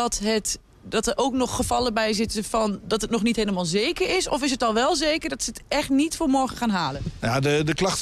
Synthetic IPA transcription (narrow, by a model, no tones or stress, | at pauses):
ɔtɦət | dɔtərʔowknɔχːəfɑləbɛjzɪtəfɔndɔtɦətnɔχnitɦeːləmaːlˠzeːkəɹɪsɔfɪs̬ɦətɔlˠʋɛlˠzeːkəɹdɔtsətɛxtnitfoːɹmɔɹɣəχaːnɦaːlənjadədəklɑxt